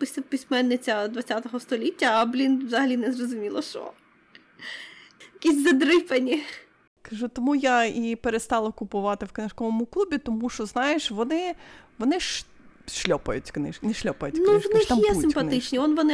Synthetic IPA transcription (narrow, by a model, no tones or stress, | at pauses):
psʲpʲisʲmɛnːɪt͡sʲɐd̪ʋɐt͡sʲat̪ɔɦɔst̪ɔlʲitʲːɐːblʲind̪ʋzɐɦɐlʲinɛzrɔzʊmʲilˠɐʃt͡ʃɔ̰ | jɐkʲisʲzɐd̪ɾɪpenʲi | kɐʒut̪ɔmujaipeɾest̪ɑlˠɐkʊpʊʋɑt̪ɪwknɪʃkɔʋɔmʊklˠubʲit̪ɔmuʃt͡ʃɔznɑjeʃʋɔnɪʋɔnɪʃ | ʃlʲɔpɐjʊtʲknɪʃknɛʃlʲɔpɐjtʲnk̪uwnɪxmjɛsɪmpɐnt̪ɪt͡ʃnʲiɔnʋɔnɪ